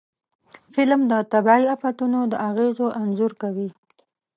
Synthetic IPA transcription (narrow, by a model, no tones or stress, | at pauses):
fɪlmd̪ət̪abɑiafat̪unod̪əʔaɣezoʔanzuɾkawi